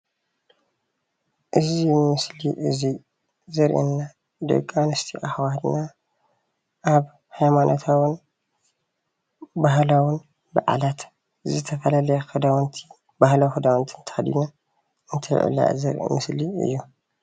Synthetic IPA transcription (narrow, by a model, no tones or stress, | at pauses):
ʔɨzimɨsliʔɨzi | zɐɾʔḭnːa | d̪ɐ̰ɡʼanɐst̪ʰiʔaxwad̪na | ʔaβ | hajmanʔot̪ʰawɨn | baɦlawʊn | bɐ̰ʔa̰lat̪ | zɨt̪ʰɐfɐlalɐjaxɨd̪awnt̪ʰi | bahlawxɨd̪awɐnt̪ʰint̪ʰɐ̥had̪ḭna | ɨnt̪ʰɐj̰ʕṵla̰zɨɾʔḭmɨsliɨ̰jːu